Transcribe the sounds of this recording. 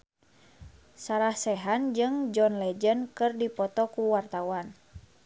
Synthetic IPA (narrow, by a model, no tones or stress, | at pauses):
saɾahsɛɦand͡ʒɨŋd͡ʒɔnlɛd͡ʒənkɨrdipɔt̪ɔkuwart̪awan